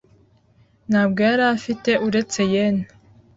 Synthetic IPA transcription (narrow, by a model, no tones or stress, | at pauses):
naːbɡoaɾafite̞ʔuɾe̞t͡se̞jen